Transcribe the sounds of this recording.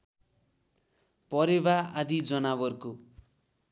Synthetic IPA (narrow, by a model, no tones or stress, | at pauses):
pʌɾeβaad̪id͡zʌnabʌrko